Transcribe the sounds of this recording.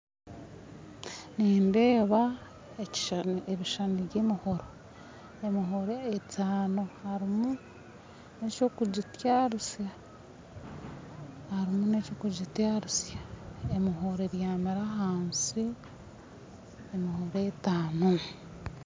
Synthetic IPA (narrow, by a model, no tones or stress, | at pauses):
niːnde̞ːβa | eeβiʃaniɟeːmiho̞ɾo | emiɦoɾeːtʰaːnohaɾimu | neco̞kuɟitjaɾusja | haɾimunecoːkuɟitjaɾusjaemiɦo̞ɾeβjaːmiɾaɦaːnsi | emihoɾetaːno